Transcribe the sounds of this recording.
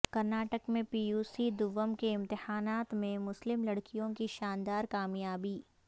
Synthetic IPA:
kɐɾnaːʈəkmẽpiːjuːsid̪ʊʋəmkeɪ̃mt̪ɪhaːnaːt̪mẽmʊslɪmlɐɽkijõkiʃaːnd̪aːɾkaːmjaːbiː

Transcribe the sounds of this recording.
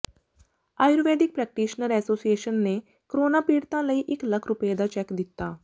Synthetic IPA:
aːjʊɾʋeːd̪ɪk̚pɾɛːk̚ʈiːʃnəɾɛːsoːsieːʃənːe | kɾoːnapiːɽt̪ãləiʔɪklɐkʰɾʊpjed̪at͡ʃɛːkd̪ɪt̪ːaː

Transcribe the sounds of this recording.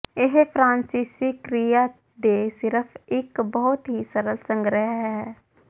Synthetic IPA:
eɦpʰɾãːnsiːsikɾija | d̪esɪɾəpʰɪkbəɦʊt̪ɦisəɾəlsə̃ŋɡɾəɦɦɛː

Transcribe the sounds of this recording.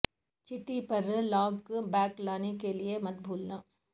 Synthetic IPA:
t͡ʃɪʈipɐɾlaːɡbɛːklaːnekeliemɐt̪̚bʱuːlnãː

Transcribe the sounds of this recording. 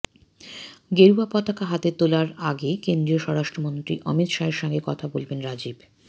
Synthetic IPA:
ɡeɾuapɔt̪akaɦat̪et̪olaɾaɡekend̪ɾioʃɔɾaʃʈɾomont̪ɾḭʔɔmit̪ʃaeɾʃɔŋɡekɔt̪ʰabolbenɾad͡ʑib

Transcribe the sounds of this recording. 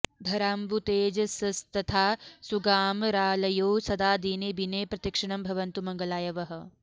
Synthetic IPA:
d̪ʱɐɾaːmbut̪eːd͡ʒɐsɐst̪ɐt̪ʰaːsuɡaːmɾaːlɐjoːsɐd̪aːd̪iːneːbineːpɾɐt̪ikʂɐɳɐmbʱɐʋɐnt̪umɐŋɡɐlaːjɐʋɐɦɐ̆

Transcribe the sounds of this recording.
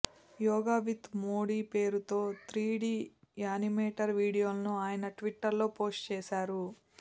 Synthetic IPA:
jɔːɡaːʋit̪moːɽiːpe̞ːɾut̪o̞ːt̪ʰɾiːɽiːjaːnimeːʈɐɾʋiːɽijoːlɐnuaːjɐnɐʈʋiʈːɐɾlo̞ːpo̞ːsʈt͡ʃɛːʃaːɾu

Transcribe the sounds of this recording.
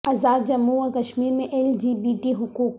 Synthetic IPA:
ɐzaːd̪̚d͡ʒɐmːuakɐʃmiːɾmẽʔeld͡ʒiːbiːʈiɦʊkuːk

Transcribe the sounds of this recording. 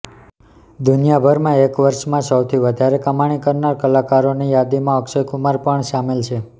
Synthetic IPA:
d̪unjabʱəɾmãekʋəɾʃmãsəwt̪ʰiʋəd̪ʱaɾekəmaɽ̃ikəɾnaɾkəlakaɾonijad̪imãəkʃəjkumaɾpəɳʃamelt͡ʃʰe

